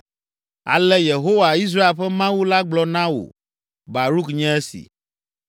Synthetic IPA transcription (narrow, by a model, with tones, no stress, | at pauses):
a̰˨lɛ˦je˨ɦo˦wa˨i˦s̬ɾa˦e˨lɸɛ˦mã˦wu˦la˦ɡ͡blɔ˦nã˦wo̰˨ | ba˨ɾu˦kɲɛ̃˦e˦sḭ˨